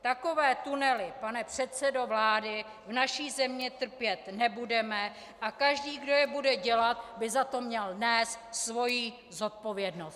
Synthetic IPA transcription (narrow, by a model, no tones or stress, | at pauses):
t̪ako̞vɛːt̪unɛlɪpanɛpr̝̥ɛt̪sɛdo̞vlaːdɪ | vnaʃiːzɛmɲɛt̪r̩pjɛt̪nɛbudɛmɛ | ʔakaʒdiːɡdo̞jɛbudɛɟɛlat̪̚bɪzat̪o̞mɲɛldnɛːst̪svo̞jiː | zo̞t̪̚po̞vjɛdnost̪